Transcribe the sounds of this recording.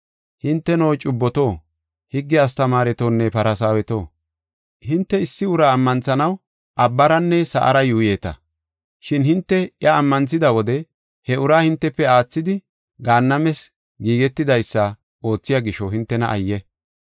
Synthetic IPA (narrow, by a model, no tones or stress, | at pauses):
hɪnt̪ːɛnoːt͡ʃʼʊbːɔt̪oː | hɪɡːɛɐs̬t̪ɐmaːɾɛt̪oːnːɛpɐɾɐsaːwɛt̪o̞ː | hɪnt̪ːɛɪsːɪʊɾaːmːɐnt͡sɐnɐw | ʔɐbːɐɾɐnːɛsɐ̰ʔɐ̰ɾɐjuːjeːt̪ɐ̰ | ʃɪnhɪnt̪ːɛjɐːmːɐnt͡sːɪd̪ɐwɔd̪ɛ | hɛʔʊɾaːhɪnt̪ːɛpːɛaːt͡sːɪd̪ɪ | ɡaːnːɐmɛs | ɡiːɡɛt̪ːɪd̪ɐjsːɐ | o̞ːt͡sːɪjaɡɪʃɔhɪnt̪ːɛnɐʔɐjːɛ